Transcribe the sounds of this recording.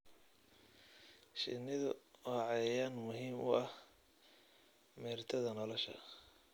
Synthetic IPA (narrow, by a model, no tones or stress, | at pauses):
ʃɪ̰nːɪðʊʕɑjaːnmʊɦiːmʊ̰ʔɐh | mɛːrt̪ʰɐðɐnɔlɔʃɐ̰